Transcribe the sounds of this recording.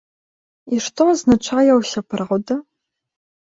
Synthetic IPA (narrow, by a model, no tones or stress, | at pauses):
iʂtʰoaznaʈ͡ʂʰaːjɛwsɐpʰɨrʁʊdɐ